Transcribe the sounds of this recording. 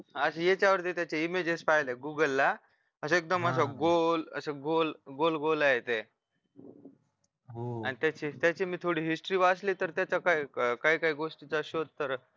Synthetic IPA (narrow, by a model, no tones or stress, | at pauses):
ɦaəɕejet͡ɕjaʋəɾt̪iːt̪jat͡ɕeimed͡ʑespajleɡuɡəlːa | əsəek̚d̪əməs̬aɡolə̰səɡolɡolɡolaɦet̪e | anit̪jat͡ɕiːt̪jat͡ɕiːmiːt̪ʰoɽiːɦisʈɾiːʋasliːt̪əɾt̪jat͡ɕakaikaɦiːkaɦiːɡoʂʈiːt͡səɕot̪ːəɾ